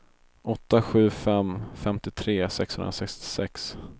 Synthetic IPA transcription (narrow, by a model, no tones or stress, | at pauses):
ʔɔt̪ːaɧʉ̟ːfɛmfɛmt̪ɪt̪ʰɾeːsɛkshɵnɾasɛkst̪ɪ̥sɛks